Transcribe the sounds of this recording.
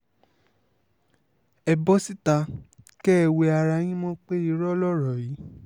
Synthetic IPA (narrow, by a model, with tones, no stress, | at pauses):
ɛ˧bɔ˦si˦ta˧ | kɛ˦ɛ˧˨we˧a˧ɾa˧j̃ĩ˦mɔ̃˦k͡pe˦i˧ɾɔ˦lɔ˦˨ɾɔ˨ji˨˦